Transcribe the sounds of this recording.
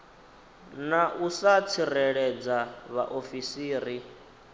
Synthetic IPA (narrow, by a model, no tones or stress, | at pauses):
naʔusat͡sʰirɛɺɛd͡zaβaʔofisiːɾi